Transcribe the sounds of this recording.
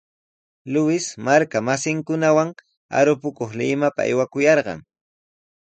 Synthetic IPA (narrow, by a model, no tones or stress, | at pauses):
lʊwɪsmaɾkamasɪŋkʊnawaŋ | a̰ɾʊpʊkoχlɪmapa̰a̰jwakʊjɑɾɢɑ̰ŋ